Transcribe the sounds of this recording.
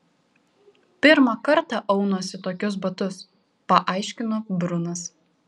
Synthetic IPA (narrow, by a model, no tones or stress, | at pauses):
pʲɪɾmɐkɐɾt̪ɐʔɐʊnoːsʲɪt̪oːkʲʊsbɐt̪ʊs | pɐʔɑˑɪʃʲkʲɪnoːbɾʊnɐs